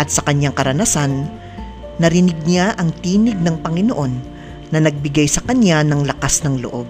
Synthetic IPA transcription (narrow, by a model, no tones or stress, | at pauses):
ʔɐt̪̚sɐkɐɲaŋkɐɾɐnasanː | ɐɾɪnɪɡ̚ɲaʔɐŋt̪iːnɪɡ̚nɐŋpɐŋɪno̞ʔo̞nː | ɐnɐɡ̚bɪɡajsɐkɐɲanɐŋlɐkasnɐŋlo̰ʔo̞b̚